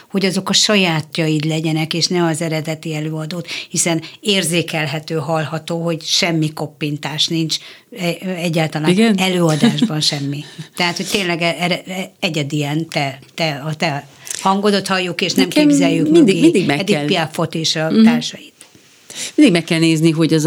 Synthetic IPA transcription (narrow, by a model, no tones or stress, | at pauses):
ho̞ɟɒzo̞kɒʃɒjaːt̪jɒjid̪lɛɟɛnɛkeːʃnɛɒzɛɾɛd̪ɛt̪iɛløːɒd̪oːt̪hisɛneːrzeːkɛlɦɛt̪øːɦɒlhɒt̪oːɦo̞ɟʃɛmːiko̞pːint̪aːʃnint͡ʃɛɛɟːaːlt̪ɒlaːnɡɛnɛløːɒd̪aːʒbɒnʃɛmːit̪ɛɦaːt̪ho̞c̚t̪eːnlɛɡɛɾɛɛɟɛd̪iɛnt̪ɛt̪ɛɒt̪ɛhɒŋɡod̪o̞t̪hɒjːukeːʃnɛmkeːbzɛjːykminnd̪ɡmid̪iɡɛɛd̪ipiafo̞t̪iːʃɒt̪aːrʃɒjit̪ | mind̪iɡmɛkːɛlneːzniɦo̞ɟɒz